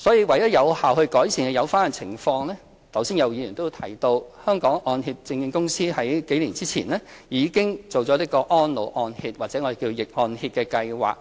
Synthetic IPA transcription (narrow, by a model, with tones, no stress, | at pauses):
sɔː˨˥jiː˧wɐ˨˩jt̪ɐ˥jɐ˨˧whaː˨˩whɵ˧ɥkɔː˨˥jsiː˧nkɛ˧jɐ˨˧wfaː˥n˧˨t͡sʰɪ˨˩ŋfɔː˧ŋlɛː˥ | t̪ʰɐ˨˩wsiː˥njɐ˨˧wjiː˨˧jyː˨˩nt̪o˥t̪ʰɐ˨˩jt̪o˧whœː˥ŋkɔː˨˥ŋʔɔː˧nhiː˧p̚t͡sɪ˧ŋjɪ˧ŋkʊ˥ŋsiː˥hɐ˨˥jke˨˥jliː˨˩nt͡siː˥t͡sʰḭː˨˩nlɛː˥jiː˨˧kɪ˥ŋt͡so˨wt͡sɔ˨˥ɪ˥kːɔː˧ʔɔː˥nlo˨˩wʔɔː˧nhiː˧t̚waː˨k̚t͡sɛ˨˧˥ɔː˨˧e˨˩ki˧o˧jɪ˨k̚ŋɔː˧nhiː˧t̚kɛː˧kɐ˧jwa̰ː˨˩k̚